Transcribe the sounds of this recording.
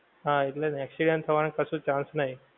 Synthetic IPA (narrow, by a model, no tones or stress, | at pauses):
ɦãit̪lenɛksiɖənt̪ʰəʋankəsũːt͡ɕãnsnaɦi